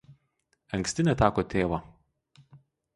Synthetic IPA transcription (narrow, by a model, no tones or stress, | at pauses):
ɐŋʲksʲt̪ʲɪnʲɛt̪ɑːkoːt̪ʲeːʋɐ